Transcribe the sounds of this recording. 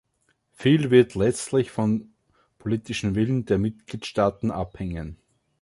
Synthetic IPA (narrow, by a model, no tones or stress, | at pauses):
fiːlvɪɐtʰlɛt͡stlɪçfɔn | pʰoliːtɪʃn̩vɪlənd̥eːɐmɪtɡ̥liːtʃtaːtn̩ʔaphɛŋən